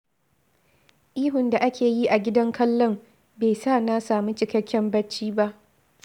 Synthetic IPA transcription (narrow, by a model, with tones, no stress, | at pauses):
ʔiː˦ɦʊ˨nda˨ʔa˦kʲeː˨ji˦ʔa˨ɡʲɪ˦dɐ˦ŋkʰɐ˦lːɔ˦m | beː˨saː˦˨na˦saː˨mu˦t͡ʃɪ˨kɐ˦kʲːɛ˦mbɐ˦t͡ʃːiː˦ba˦ʔ